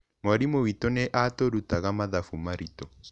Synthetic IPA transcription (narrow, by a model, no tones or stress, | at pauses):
mɔɾimowitoneʔatoɾutaɣamaðafumaɾito